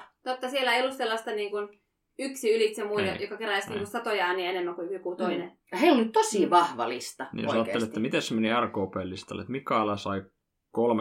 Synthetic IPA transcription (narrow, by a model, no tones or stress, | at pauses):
t̪ot̪ːɑsielæeiolːusselːɑst̪ɑniːŋkun | yksiylit̪jɑmuij̪ɑjokɑkeɾææsniːŋkunsɑt̪ojɑːnienemːækuyhikut̪oine | ɑheilonyt̪t̪osiʋɑhʋɑ̰list̪ɑnḭjosɑːtːelet̪ːæmit̪æssemeniærkoːpeːlːist̪ɑlḛt̪mikːˑɑɑlɑsɑi | kolm